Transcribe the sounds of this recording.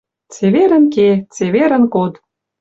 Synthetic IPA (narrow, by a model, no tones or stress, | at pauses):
t͡seβeɾə̆nket͡seβeɾə̆nkot̪